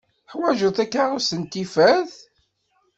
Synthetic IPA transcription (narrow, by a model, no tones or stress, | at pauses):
ħwæʒəθækːaɾʊsənt̪ifæθ